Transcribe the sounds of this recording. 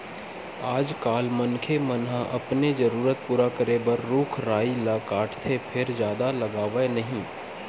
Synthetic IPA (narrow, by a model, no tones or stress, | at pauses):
aːd͡ʒkaːlmɐnkʰemɐnɦãʔɐpnezɐɾuːɾət̪̚puːɾakəɾebɐɾːuːkʰɾaːilakaːʈʰt̪ʰepʰɪɾd͡ʒjaːd̪alɐɡaːʋenɐɦĩː